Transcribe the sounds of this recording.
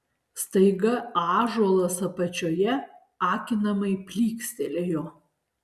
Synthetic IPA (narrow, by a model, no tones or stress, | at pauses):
st̪ɐɪɡɐɑːʒuɔlˠɐsɐpɐt͡ʃʲoːjɛ | ɑːkʲɪnɐmɐɪpʲlʲiːksʲt̪ʲɛlʲejoː